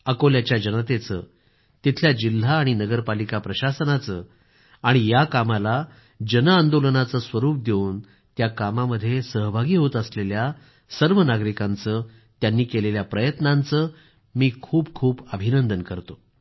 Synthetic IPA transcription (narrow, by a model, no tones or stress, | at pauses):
əkoljat͡ɕjad͡ʑənət̪et͡sə̰ː | t̪it̪ʰljad͡ʑil̤ːaːɽ̃inəɡəɾpalikapɾəɕasənat͡səː | aɽ̃ijakamala | d͡ʑənəand̪olənat͡səsʋəɾuːp̚d̪euːn | t̪jakamaməd̪ʱːjesəɦbʱaɡiːɦot̪əslelja | səɾʋənaɡɾikãnt͡səː | t̪janːiːkeleljapɾəjət̪nãnt͡səː | miːkʰuːp̚kʰuːpəbʱinənd̪ənkəɾt̪o